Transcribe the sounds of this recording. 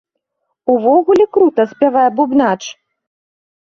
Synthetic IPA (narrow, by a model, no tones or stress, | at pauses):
uvɔɣulʲikɾut̪ɐspʲavajɛbubnat͡ʂ